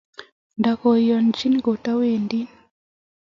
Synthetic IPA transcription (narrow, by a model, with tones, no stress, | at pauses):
nda˨kɔ˨jɔ˨nd͡ʒi˦nɡo˨ta˦we˨ndi˦